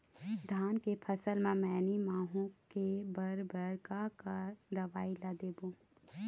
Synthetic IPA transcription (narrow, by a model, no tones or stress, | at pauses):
d̪ʱaːnkepʰɐsəlmãmɛːnimãːɦũkebəɾbəɾkakad̪ɐʋaːilad̪eːbõː